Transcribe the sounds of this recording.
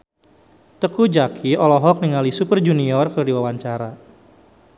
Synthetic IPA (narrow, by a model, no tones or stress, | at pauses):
t̪əkud͡ʒakʰiɔlɔɦɔk̚niŋalisupərd͡ʒuniɔrkədiwawaɲt͡ʃaɾa